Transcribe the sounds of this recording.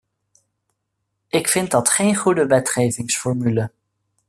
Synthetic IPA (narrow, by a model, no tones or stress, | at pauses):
ʔɪkfɪnt̚dɑtχejnχudəʋɛtχejvɪŋsfɔɹmylə